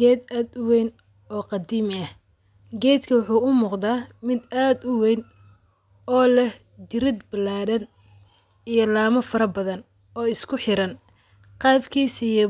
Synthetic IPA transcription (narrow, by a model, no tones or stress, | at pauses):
ɡɛːd̪aːd̪ʊwɛjn | ɔːqɑd̪iːmɪɐh | ɡɛːd̪kʰɐwʊħuːʊmʊːqd̪aːmɪd̪aːd̪ʊwɛjn | ɔːlɛh | d̪ɪɾɪd̪bɐlaːɽɐn | ijɞlaːmɐfɐɾɐbɐðɐn | ɔːɪskʰʊħɪɾɐn | qɑːbkʰiːsijɐ